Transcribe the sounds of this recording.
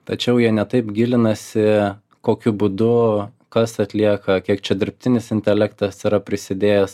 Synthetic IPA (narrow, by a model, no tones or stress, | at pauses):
t̪ɐt͡ʃʲɛʊjiɛnʲɛt̪ɐɪpɡʲɪlʲɪnɐsʲɪ | koːkʲʊbud̪ʊ | kɐsɐt̪ʲlʲiɛkɐkʲiɛkt͡ʃʲɛd̪ʲɪɾʲp̚ʲt̪ʲɪnʲɪsɪnʲt̪ʲɛlʲækt̪ɐsiɾɐpʲɾʲɪsʲɪd̪ʲeːjɛs